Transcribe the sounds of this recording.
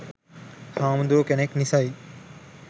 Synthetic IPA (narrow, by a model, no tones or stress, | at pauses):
hãːmd̪oːkeneknisai